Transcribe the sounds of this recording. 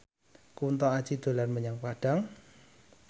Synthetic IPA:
kunt̪ɔad̥ʒ̥id̪̥o̤lanməɲaŋpaɖ̥a̤ŋ

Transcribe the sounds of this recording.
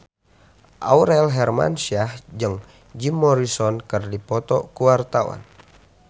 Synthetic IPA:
ʔa̰uɾɛlɦɛrma̰nsiahd͡ʒɨŋ | d͡ʒimːɔɾisɔnkərdipɔt̪ɔkuwart̪awa̰n

